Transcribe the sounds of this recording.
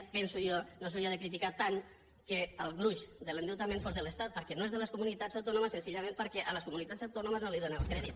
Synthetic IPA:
pɛnsuɔnos̬uɾiaðəkɾit̪ikat̪aŋ | keəlˠɣɾuʃd̪əlend̪ewt̪amẽnfɔzðələst̪at̪̚pəɾkɛnoezðələskumunit̪azawt̪onuməsːensiʎamẽnpəɾkɛʔələskumunit̪azawt̪onuməznoliðonɛwkɾɛðit̪̚

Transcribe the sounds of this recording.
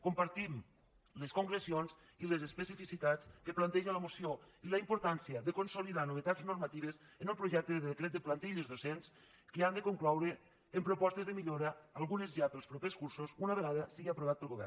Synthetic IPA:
kompaɾt̪im | ləskoŋɡɾəsionz | iləzespəsifisit̪at͡skəplant̪ɛʒənləmosioiləimpoɾt̪ansiəðəkonsoliðanoβ̞ət̪aznoɾmat̪iβ̞əzənumpɾuʒɛk̚t̪əððekɾɛt̪̚d̪əplant̪iʎozðosens | kəand̪əkoŋklɔwɾəː | mpɾopɔst̪əzðəmiʎoɾəːlˠɣunəzʒapəlˠspɾopeskuɾsuzunaβ̞əɣ̞aðəsiɣiapɾoβat̪̚pəlˠɣoβɛ̰rn

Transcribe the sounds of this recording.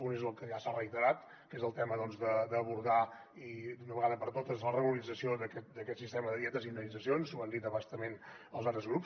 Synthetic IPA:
unezəlˠkəʒasarəit̪əɾat̪ | kezəlˠt̪ɛməðɔnzðəd̪əːβuɾða | id̪unəβəɣaðəpəɾt̪ot̪əzlərəɣuləɾid͡zəsiod̪əkɛt̪̚d̪əkɛt̪sist̪ɛməðəðjɛt̪əzind̪ənid͡zəsionsuand̪it̪əβast̪əmenəlˠzat̪ɾəzɣɾups

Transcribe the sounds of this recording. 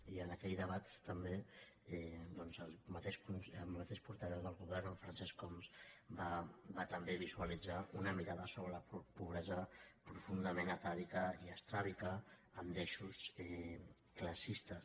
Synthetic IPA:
iənəkɛjðəβ̞at̪ːəmbe | ɛd̪ɔnzəlˠmət̪eʃkunəlmət̪eʃpuɾt̪əβɛwðəlˠɣuβɛɾnəlfɾənsɛskɔmsbabat̪əmbeβizuəlid͡zaunəmiɾaðəsoβɾələppuβɾɛzəpɾufund̪əmenət̪aðikəiəst̪ɾaβikəəmd̪ɛʃusɛ | kləsist̪ə

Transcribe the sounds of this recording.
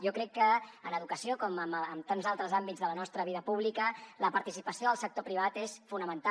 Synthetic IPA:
jɔkɾɛkːəənəðukəsiokɔməməmt̪anzalˠt̪ɾəzambitd͡zðələnɔst̪ɾəβ̞iðəpuβ̞likələpəɾt̪isipəsioðəlˠsək̚t̪opɾiβ̞at̪esfunəmənt̪a

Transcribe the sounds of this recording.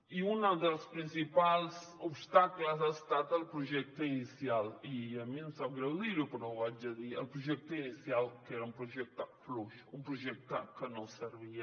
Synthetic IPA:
iũnɐðɐspɾĩnsipalˠzoβʃt̪aklɐzɐst̪at̪ɐlpɾuʒɛk̚t̪uinisjalˠiɐmĩnɐ̃saβɣɾɐliɾjupɐnɐ̃w̃vaɐðiɐ̰lpɾuʒɛk̚t̪uinisjalˠkɛɾɐũpɾuʒɛk̚t̪ɐfluʃũpɾuʒɛk̚t̪ɐkənɐ̃w̃səɾβiɐ

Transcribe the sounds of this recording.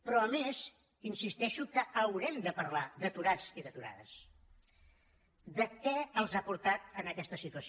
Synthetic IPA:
pɾɔəmez | insist̪ɛʃukəʔəwɾɛmd̪əpəɾlad̪ət̪uɾad͡ziðət̪uɾa̰ðə̰s | d̪əkɛəlˠzapuɾt̪at̪̚ənəkɛst̪əsit̪uəs

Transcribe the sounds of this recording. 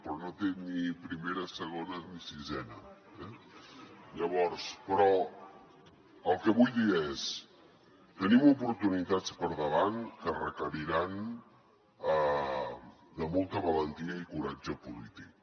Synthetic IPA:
pɾɔnot̪enipɾimeɾəsəɣ̞onənisizɛnə | ɛ | ʎəβ̞ɔɾspɾɔ | əlˠkəβujðiəes | t̪ənimupuɾt̪unit̪at͡spəɾðəβ̞ankərəkəɾiɾan | ə | d̪əmolˠt̪əβələnt̪iəikuɾad͡ʒəpulḭt̪ik

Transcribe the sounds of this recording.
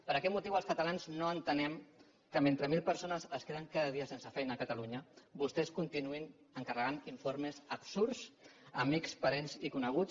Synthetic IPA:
pəɾəkɛt̪̚mut̪iwəlˠskət̪əlanznoənt̪ənɛm | kəment̪ɾəmilˠpəɾsonəzəskeðəŋkaðəðiəsensəfɛjnəːkət̪əluɲəbust̪ɛskunt̪inuin | əŋkərəɣaniɱfoɾmezəbsuɾsəmikspəɾenzikunəɣ̞u

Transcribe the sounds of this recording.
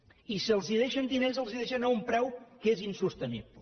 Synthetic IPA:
isiəlˠziðeʃənd̪inezəlˠziðeʃənaumpɾɛwkezinsust̪ənḭβlə

